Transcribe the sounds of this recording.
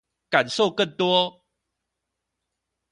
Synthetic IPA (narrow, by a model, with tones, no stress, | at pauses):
ka˨˩nso˥˨ʊkə˥˨nt̪wɔ˦